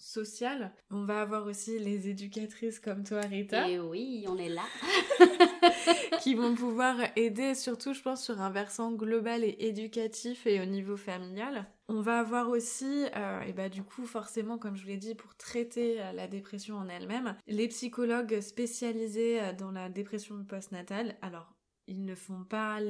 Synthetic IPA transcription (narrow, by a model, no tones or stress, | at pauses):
sɔsjal | ɔ̃vaːvwaʁosilezed̪ykʲat̪χiskɔmt̪waʁit̪awiɔ̃nɛla | kʲivɔ̃p̬uvwaʁed̪esyʁt̪uʒəpɑ̃sːyʁɛ̃vɛʁsɑ̃ɡlɔbaleʔed̪ykʲat̪ʰifeonivofamiljal | ɔ̃vaːvwaʁosiø̰ḛbad̪ykʰufɔʁsemɑ̃kɔmʒəvuled̪ipuʁt̪χɛt̪eølad̪epχesjɔ̃ɑ̃nɛlmɛmlepsikɔlɔɡspesjalizeød̪ɑ̃lad̪epχesjɔ̃d̪ypɔst̪nat̪alalɔʁ | ilnəfɔ̃pa